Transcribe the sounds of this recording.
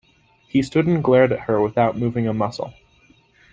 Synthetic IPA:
histʊɾn̩ɡlɛɹɾɨt̚hə˞wəθaʊt̚mʉvɪ̃ŋəmʌsl̩ˠ

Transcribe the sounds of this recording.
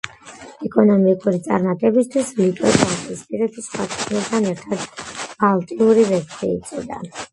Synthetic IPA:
ɛkʼɔnɔmikʼuɾit̪sʼaɾmat̪ʼɛbist̪ʰwislit̪ʼɛbʼɔnsʰispʼiɾɛpisχwa̰kʰɛkʰʼnit̪ʰanɛɾt̪ʰad̪balˠt̪ʼiuɾivɛɾt̪ʰiːt̪sʼɔd̪a̰

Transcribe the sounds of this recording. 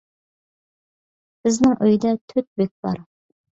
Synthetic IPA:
b̥ɪznɪŋʔøjd̪ɛt̪ʰøt̪̚bek̚ʲb̥ɑ̰ɾ

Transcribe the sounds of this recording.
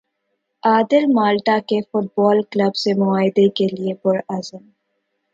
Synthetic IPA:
aːd̪ɪlmaːlʈakefʊʈ̚bɔːlkləbsemʊaːɦɪd̪ekeliepʊɾɐzəm

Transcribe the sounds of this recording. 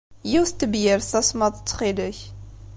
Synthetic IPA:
jiwst̪əbjəɾθæsmɑt̪ˤət͡sːχiləç

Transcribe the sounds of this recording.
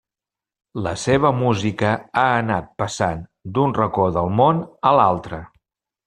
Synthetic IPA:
ləseβ̞əmuzikəaənat̪̚pəsand̪unrəkoðəlˠmonəlalˠt̪ɾə

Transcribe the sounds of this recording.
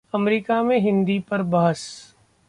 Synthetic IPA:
ɐmɾiːkamẽɦɪ̃nd̪ipɐɾbɐɦəs

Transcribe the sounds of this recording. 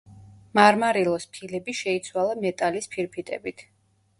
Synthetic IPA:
maɾmaɾilˠɔspʰilɛbiʃɛit̪sʰwalˠamɛt̪ʼalispʰiɾpʰit̪ʼɛ̰bit̪ʰ

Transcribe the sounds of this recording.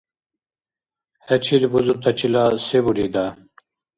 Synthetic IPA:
hɐt͡ɕʰilbuzut̪ɐt͡ɕilasebuɽid̪a

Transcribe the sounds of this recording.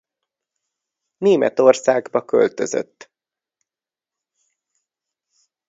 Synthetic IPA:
neːmɛt̪o̞rsaːɡbɒkø̰lt̪ø̞̰zø̰t̪ː

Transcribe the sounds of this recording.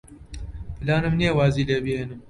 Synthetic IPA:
laːnɨmniewaːzilebihenɨm

